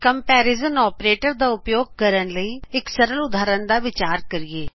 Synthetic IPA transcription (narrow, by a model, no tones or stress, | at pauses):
kəmpɛːɾɪzənɔːpɾeːʈəɾd̪aːʊpjoːɡ̚kəɾənləiːɪksəɾəlʊd̪ʱaːɾənd̪aːʋɪt͡ʃaːɾkəɾɪeː